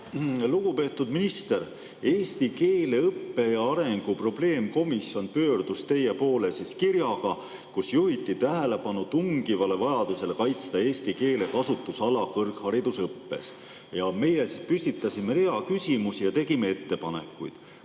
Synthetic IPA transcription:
luɡ̥upe̞ːt̪ːˑud̪̥minist̪eɾ | e̞ːsʲt̪ike̞ːle̞ɤpːe̞ɑɾe̞ŋɡ̥upro̞ble̞ːmko̞misjo̞npø̞ːrd̪̥ust̪e̞jːe̞po̞ːlesiskiɾjɑɡ̥ɑ | kusjuɦit̪ːˑit̪æɦele̞pɑnut̪uŋɡivɑle̞vɑjɑd̪̥use̞lkɑjt̪st̪ɑe̞ːsʲt̪ike̞ːle̞kɑsut̪ːˑusɑlɑkɤrkhɑɾid̪̥usɤpːe̞̰s | jɑme̞jesispysʲt̪it̪ːˑɑsʲime̞heɑkysʲimusijɑt̪e̞ɡime̞e̞t̪ːe̞pɑne̞̰kːˑṵjd̪̥

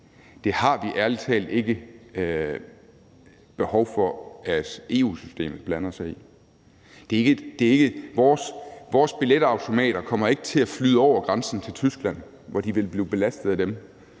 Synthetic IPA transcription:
d̥e̝hɑ̈ʋiʔæɐlit͡sʰɛ̰ːld̥e̝ɡ̥ə | b̥e̝hɒʊfɒ̽æd̥e̝̰ːṵːsysd̥e̝̰ːmð̩ˠb̥lænɐsɑɪi | d̥e̝ɐe̝ɡ̥əd̥e̝æɐe̝ɡ̥əʋɒːsʋɒːsb̥iled̥ɑ̈ʊt͡sʰo̝mɛ̰ːɾ̥ɐkʰɒ̽m̰ɐe̝ɡ̥ə̥t͡sʰe̝æflyð̰ˠɒʊ̰ɐɡ̥ʁɑnsn̩t͡sʰe̝lt͡sʰysɡ̥læn̰ | ʋɒd̥iʋe̝lb̥liːb̥e̝læsd̥ð̩ˠæd̥em

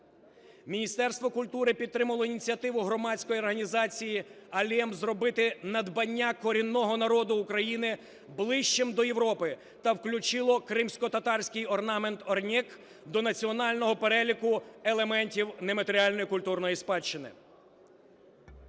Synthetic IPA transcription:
mʲinʲist̪ɛrst̪ʋɔkʊlʲt̪uɾɪpʲid̪t̪ːɾɪmɐlˠɔinʲit͡sʲiɐt̪ɪʋʊɦɾɔmɑsʲkɔjiɔrɦɐnʲizɑt͡sʲijiɐlʲɛmzrɔbɪt̪ɪnɐd̪bɐnʲːakɔɾʲinːɔɦɔnɐɾɔd̪ʊːkɾɐjinɪ | blˠɪʃt͡ʃɪmd̪ɔjeʋɾɔpɪ | t̪ɐwklʲʊt͡ʃɪlˠɔkɾɪmsʲkɔt̪ɐt̪ɑrsʲkʲɪjɔrnɑment̪ɔrnʲɛk | d̪ɔnɐt͡sʲiɔnɑlʲnɔɦɔpeɾɛlʲikʊelˠemɛnʲtʲiwnemɐt̪eɾʲiɑlʲnɔjikʊlʲt̪urnɔjispɑt͡ʃːɪnɪ̰

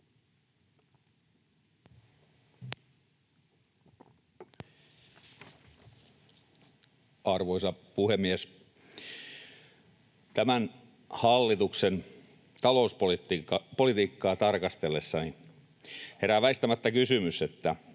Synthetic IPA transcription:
ɑrʋoisɑpuhemːies | t̪æmæn | hɑlːit̪uksen | t̪ɑlouspolit̪iɑpolit̪iːkːɑːt̪ɑrkɑst̪elːesːɑni | heræʋæist̪æmæt̪ːækysymyset̪ːæ

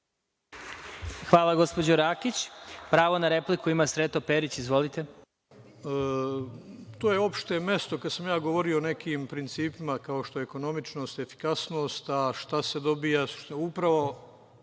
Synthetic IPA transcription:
xʋaːlˠaɡo̞spo̞d͡ʑoɾaːkit͡ɕpɾaːʋo̞naɾe̞plikuimasɾet̪opeɾit͡ɕizʋo̞lit̪e̞ | ə | t̪oːjeo̞pʃt̪eme̞st̪o̞kad̪samjaːɡoʋo̞ɾioːnekiːmpɾint̪siːpimakaoʃt̪oeeko̞no̞mit͡ʃno̞ːst̪efi̥kasnoːst̪aʃt̪ase̞d̪o̞bijasu̥ʃt̪upɾaʋo̞

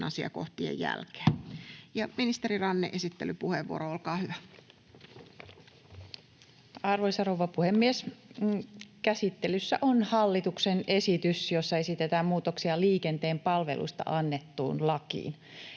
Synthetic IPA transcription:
nʔɑsiɑ̰koht̪iḛjjæ̰lke̥ːjɑminist̪eɾirɑnːḛʔesit̪ːelypuheʋːṵoɾoolkɑːhyʋæ | ɑrʋoisɑrouʋːɑpuhemːies | kæsit̪ːe̞lysːæ̰ʔonhɑlːit̪uksene̞sit̪ysjo̞sːɑe̞sit̪et̪æːmmuːt̪oksiɑliːke̞nt̪eːmpɑlʋe̞̰lʔṵst̪ɑ̰ʔɑnːet̪ːṵːnlɑkḭːn

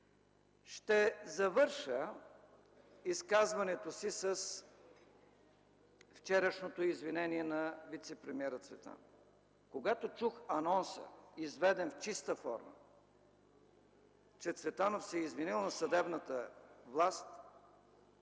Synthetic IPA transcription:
ʃt̪ɛzɐvɤɾʃə | iskazvɐnɛt̪osisəs | ft͡ʃɛɾəʃnot̪oizvinɛniɛnɐvit̪sɛpɾɛmiɛɾət̪svɛt̪a̰no | koɡat̪ot͡ʃuxɐnɔnsə̰izvɛd̪ɛnft͡ʃist̪əfɔ̰ɾmə̰ | t͡ʃɛt̪svɛt̪anofsɛizvinilˠnɐsɐd̪ɛbnət̪əvlˠast̪

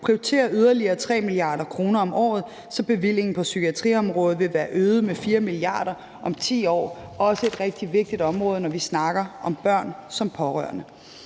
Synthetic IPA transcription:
pʰʁiot͡sʰe̝̰ːɐʔyð̞ˠɐliɐːt͡sʰʁɛ̰ːmiliɑ̈ːɾ̥ɐkʰʁo̝ːnɐɒ̽mʔɒ̰ːð̞̩ˠ | sɒ̽b̥e̝ʋil̰je̝ŋn̩pʰɒ̽sykʰiæt͡sʰʁḭːɒ̽mʁɔ̽ːð̞̩ˠʋe̝ʋæːɐʔøːð̩ˠmefiːɐmiliɑ̰̈ːɾ̥ɐ | ʔɒ̽mt͡sʰḭːɒ̰ːɒ̽səe̝d̥ʁɛɡ̥̚d̥iʋe̝ɡ̥̚d̥id̥ɒ̽mʁɔ̽ːð̞ˠənɒʋisnɑ̈ɡ̥ɐʔɒ̽mb̥ɶɐ̰nsɒ̽mpʰɒ̽ʁœ̰ɐnə

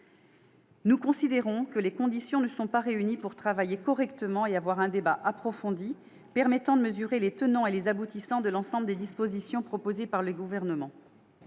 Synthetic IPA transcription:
nukɔ̃sid̪eʁɔ̃kəlekɔ̃d̪isjɔ̃nəsɔ̃paʁeynipuʁt̪χavajekɔʁɛkt̪əmɑ̃eavwaʁɛ̃d̪ebaʔapχɔfɔ̃d̪i | pɛʁmɛt̪ɑ̃d̪əməzyʁelet̪ənɑ̃elezabut̪isɑ̃d̪əlɑ̃sɑ̃bləd̪ed̪ispozisjɔ̃pχɔpozepaʁləɡuvɛʁnəmɑ̃

